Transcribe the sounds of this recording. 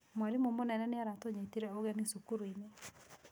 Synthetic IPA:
mwaɾimomonɛnɛneaɾatoɲetiɾɛoɣɛnisukuɾoine

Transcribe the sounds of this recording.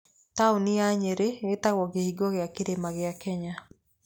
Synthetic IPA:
taoniaɲeɾeetaɣwɔɡehiɡɔɣeakeɾemaɣeakɛɲa

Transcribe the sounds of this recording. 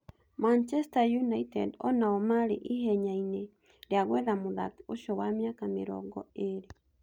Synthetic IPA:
mant͡ʃɛstajunaitɛdɔnaɔmaɾeʔihɛɲaine | ɾeaɣwɛðamoða̰toʃɔwamjakameɾɔ̰ɡɔ̰eɾe

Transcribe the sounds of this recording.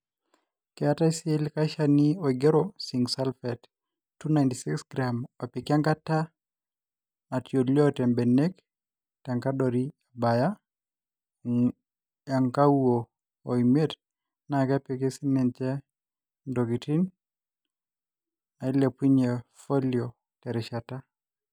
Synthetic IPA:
kɛataisielikaʃanioiɡeɾosiŋɡsalfɛt | tːunajntisiksɡɾamɔpikiaŋkata | atjoljɔtɛmbɛnek | taŋkadɔɾiabaja | jaŋkauoː | imet | nakapekesinɛnt͡ʃɛ | ndoɡitin | ailepwiɲefoljo | tɛɾɛʃata

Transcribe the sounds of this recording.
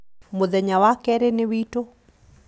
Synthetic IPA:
moðɛɲawakɛɾenɪwito

